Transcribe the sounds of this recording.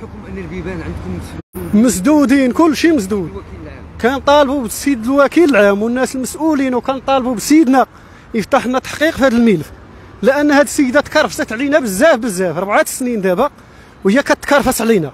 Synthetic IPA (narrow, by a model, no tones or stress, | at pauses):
mnːlbibænʕənd̪kʊmməsd̪ud̪inkʊlːʃiməsd̪ud̪kænt̪ˤɑlbubsid̪əlwækiləlʕamwənːæsəlməsʔulinwkænt̪ˤɑlbubsəjəd̪næ | jəft̪aħnæt̪ḁħqiqfihæd̪əlmilf | ləʔænːhæd̪səjːd̪æt̪kɑrːˤəfsət̪ʕlinæbəzːæfbəzːæfɾˤbʕat̪snind̪æbæq | whəjːækæt̪ːkɑrˤːfæsʕlinæ